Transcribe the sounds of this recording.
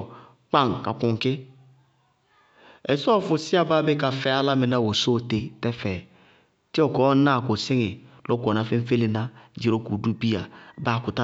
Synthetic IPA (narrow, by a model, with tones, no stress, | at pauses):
k͡pa˦˨ŋ˨ka˨ku˨ŋ˨kɪ˦ | e˨sɔ˦˨fu˨si˦a˦ba˦be˦ka˨fɛ˨˦a˦la˦me˨na˦˨wo˨so˦˨te˨tɛ˦fɛ˨ | ti˦ɔ˨kɔ˨˦na˦˨ko˨sɪ˦ŋi˨lo˦ko˨na˨˦fe˦ɱ˦fe˦li˨na˦d͡ʒi˨ɾo˦ku˨du˦bi˦a˨ba˦˨ku˨ta˦